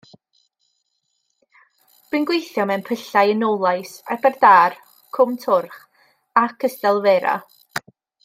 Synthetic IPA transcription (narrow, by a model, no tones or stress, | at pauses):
r̥ɨnɡwejθjɔmɛnpʰəɬajənowlˠajsa̰bɛrdaːr | kʰʊmtʰʊrχ | akʰəstɛlˠveːɾa̰